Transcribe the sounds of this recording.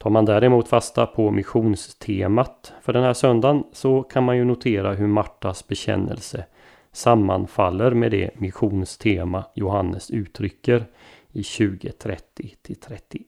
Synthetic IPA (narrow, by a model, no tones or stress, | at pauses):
t̪ʰɑːɾmand̪æːɾɛmuːt̪fast̪apʰɔmɪɧuːnst̪ʰeːmat̪fœɖɛnhæːʂœnd̪ansɔkʰanmanjɵnʊt̪ʰeːɾaɦɵɾmaʈːasbɛɕɛ̰nːə̰lsə | samːa̰nfalːəɾmed̪ɛ̰mɪɧuːnst̪ʰeːmajʊɦanːəsʉ̟ːt̪ʰɾʏkːəɾ | ɪɕʉ̟ːɡət̪ʰɾɛt̪ʰːɪt̪ʰɪlt̪ʰɾɛt̪ːɪ